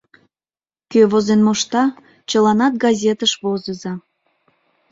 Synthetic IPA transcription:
køβozenmoʃt̪ɑ | t͡ɕəlɑnɑt̪̚ɡɑzʲet̪əʃβozəzɑ

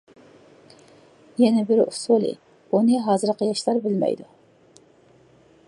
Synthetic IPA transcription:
jɛnɛbɪɾṵsulˠɨ̰ | unɨɦɑːzɨɾqəjɑʃlˠɑɾbɪlmɛ̰jd̪u

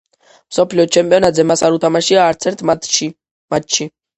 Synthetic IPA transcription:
msɔpʰliɔt͡ʃʰɛmpʼiɔnat̪zɛmasaɾut̪ʰamaʃiaːɾt̪sʰɛɾt̪ʰ | mat̪ʃi

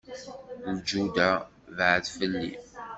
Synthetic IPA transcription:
ud͡ʒud̪a | vʕθfəlːḭ

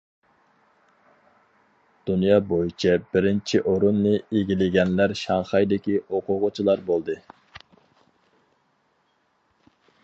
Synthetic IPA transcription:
d̪̥unjɑːbojit͡ʃʰɛbɪɾɪnt͡ʃʰiʔoɾunːɨeɡʲilɪɡʲɛnlæɾʃɑŋχɑjd̪ɪkʲioqʰʊʁʊt͡ʃʰilˠɑɾbolˠd̪ɨ

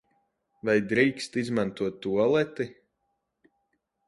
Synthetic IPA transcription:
vajd̪ɾiːkst̪izmant̪uɔt̪ːuɔlˠɛt̪i

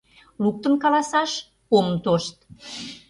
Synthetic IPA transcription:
luk̚t̪ə̆nkɑlɑsɑʃ | omt̪oʃt̪

